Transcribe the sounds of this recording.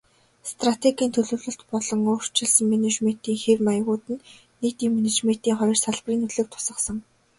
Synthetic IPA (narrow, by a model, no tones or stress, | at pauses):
st̪ʰrat̪ʰeɡʲiːnt̪ʰɵɮɵ̆wɮɵ̆ɬt̪pɔɮɞ̆ŋoːr̥t͡ɕɪ̆ɮsə̆ŋmenet͡ɕmen̥t̪iːŋxermajəʁʊːt̪ɘ̆nː | eːt̪iːŋmenet͡ɕmen̥t̪iːŋχɔj̆rsaɮpriːnɵɮɘ̆k̚t̪ʰʊ̥sə̆qsɞ̆ŋ